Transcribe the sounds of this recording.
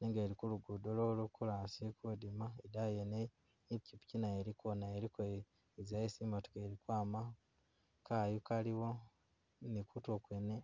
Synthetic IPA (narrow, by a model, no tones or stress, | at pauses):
neŋɡeːɾikuluɡudololokulasekodimaedajene | icipu̥cinaeɾikonaeɾiko | zajesimotu̥keːɾikwaːma | kajukaliwo | nikutokwene